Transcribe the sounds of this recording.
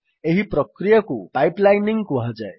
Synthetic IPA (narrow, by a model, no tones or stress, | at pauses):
eɦiprʌkrijʌkopajplajniŋkoɦʌd͡za̰j